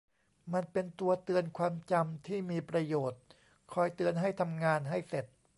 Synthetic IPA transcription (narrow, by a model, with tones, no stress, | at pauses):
ma˧npe˧nt̪u˧ɐt̪ɯ˧ənkʰwaː˧mt͡ɕa˧mt̪ʰiː˥˩miː˧pɾa˧joː˨˩t̪̚ | kʰɔː˧jt̪ɯ˧ənɦa˥˩jt̪ʰa˧mŋaː˧nɦa˥˩jse˨˩t̪̚